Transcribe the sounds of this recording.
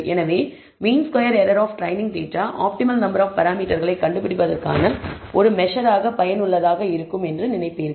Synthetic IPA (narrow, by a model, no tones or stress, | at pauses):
ɛnɐʋeː | miːnskɔjɐɾɛɾɐɾaːfʈɾɐɪnɪŋɡʈeːʈːaːʔa̰ːp̚ʈɪmɐlnɐmbɐɾaːfpɐɾaːmiːʈːɐɾɣɐɭɐɪkːɐɳɖɯpɪɽɪpɐðɐrka̰ːnɐʔɔɾɯmɛʂɐɾaːɣɐpɐjɐnɯɭːɐðaːɣɐɪɾɯkːɯmɛndrɯnɪnɐɪpːɪɪɾ